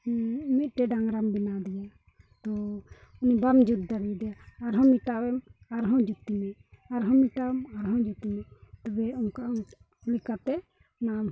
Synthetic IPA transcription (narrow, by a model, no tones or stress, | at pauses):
mit̪̚ʈɛɖaŋɾambinad̪ija | t̪ɔ | unibamd͡ʒud̪̚d̪aɾid̪ɛaɾɦɔ̃miʈawɛmaɾɦɔ̃d͡ʒut̪imiaɾɦɔmiʈawɛmaɾɦɔ̃d͡ʒut̪imit̪ɔbɛɔnka | likat̪ɛ | nam